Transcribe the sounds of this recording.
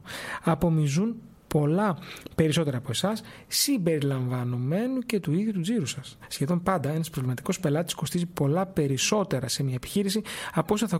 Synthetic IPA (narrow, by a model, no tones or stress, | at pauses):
ɐpo̞mizun | po̞lɐpe̞ɾiso̞t̪e̞ɾɐːpo̞e̞sɐssimbe̞ɾilɐɱvɐno̞me̞nuce̞t̪uiðʝut̪uziɾusɐsːçe̞ðo̞mpɐnd̪ɐe̞nɐspɾovlimɐt̪i̥ko̞spe̞lɐt̪i̥sko̞st̪izipo̞lɐpe̞ɾiso̞t̪e̞ɾɐse̞mɲɐepi̥çiɾisiɐposoθɐ